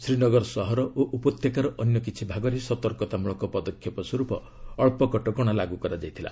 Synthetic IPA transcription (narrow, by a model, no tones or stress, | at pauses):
sɾinɔɡɔɾsɔɦɔɾɔʔoʔupɔt̪jekaɾɔʔɔnjɔk̬it͡ʃʰibʱaɡɔɾesɔt̪ɔɾkɔt̪amuɭɔŋkɔpɔd̪ɔkʰjɔpɔswɔɾupɔ | ɔɭpɔkɔʈɔɡɔɽ̃alaɡukɔɾad͡ʒajt̪ʰila̰